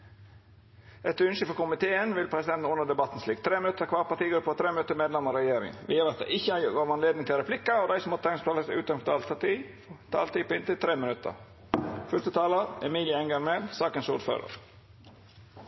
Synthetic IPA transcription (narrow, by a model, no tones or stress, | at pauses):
ʔɛt̪ʉnʃəfɔɾkʊmɪt̪ʰeːənʋɪlpʰɾɛsɪd̪ɛnt̪n̩ʊnəd̪ɛbɑt̪ːn̩sliːkt̪ʰɾeːmɪnʉt̪ʰːəɾkʰʋɑːɾpɑʈiːɡɔpʰːɔt̪ʰɾeːmɪnʉt̪ːəmeːd̪lɛmɔɾɛjeːɾɪ̰ŋʋḭːəɾɑt̪̚d̪ɛ̰ɪɪçːəæɡɔʋɑnleːd̪nɪŋt̪ʰɪlɾɛpʰlɪkːɑɔd̪æɪsɔmɔt̪t̪ʰɛŋst̪ʰɑləsʉːt̪ɑnfɔt̪ʰɑːlspʰɑʈ̪iː | t̪ʰɑ̰ːlt̪iːpɪnt̪ɪlt̪ʰɾeːmɪnʉt̪ʰːə̰ɾ | fʉst̪ət̪ʰɑːləɾɛmiːlɪəɛŋɡɑɾmelsɑːkənsuːɖfø̰ːɾə̰ɾ